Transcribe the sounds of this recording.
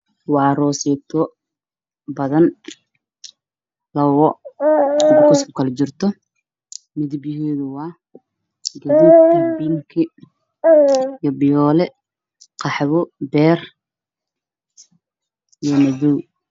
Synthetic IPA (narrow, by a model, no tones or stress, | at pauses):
wɑːrɔːsɛt̪ʰɔ | bɐðɐn | lɐwɔ | kʰʊsb̚kʰɐlɛt͡ʃɪrt̪ʰɔ | mɪðɪbjɪɦɛːðʊwɑː | ɡɐðubibiŋkʰɪ | ijɔbɪjɔːlɛ | qʰɑħβɔbɛːr | ijɔmɐðuw